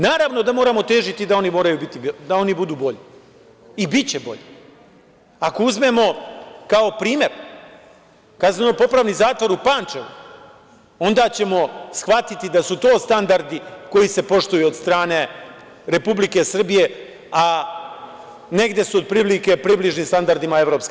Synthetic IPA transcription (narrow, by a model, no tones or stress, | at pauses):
naːɾaʋno̞d̪amo̞ːɾamo̞t̪e̞ːʒit̪id̪ao̞nimo̞ːɾajubit̪id̪ao̞nibud̪uːbo̞ʎi | ibit͡ɕebo̞̰ʎi | ako̞uzme̞mo̞kaopɾiːmje̞ɾ | kazonopo̞pɾaːʋnizaːt̪ʋo̞ɾupaːnt͡ʃeʋṵ | o̞nd̪aːt͡ɕe̞mo̞sxʋat̪it̪id̪asut̪o̞ːst̪and̪aɾd̪iko̞jise̞po̞ʂt̪ujuod̪st̪ɾaːne̞ | ɾe̞publike̞sr̩bije̞ | a | ne̞ɡd̪je̞suod̪̚pɾiblike̞pɾibliʒnist̪and̪aɾd̪imae̞vɾopske